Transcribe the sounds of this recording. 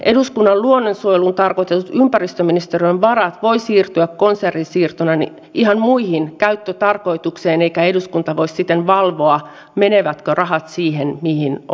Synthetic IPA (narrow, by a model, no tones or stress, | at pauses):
ʔeduskunːɑlluonːonsuojelunt̪ɑrkoit̪et̪ut̪ympærist̪øminist̪erønʋɑrɑt̪ʋoisiːrt̪yækkonserːinsiːrt̪onɑnḭ | ihɑnmuihinkæyt̪ːøt̪ɑrkoit̪ukseːneikæeduskunt̪ɑʋoissit̪ːenʋɑlʋoɑ | meneʋæt̪kørɑhɑt̪siːhenmihin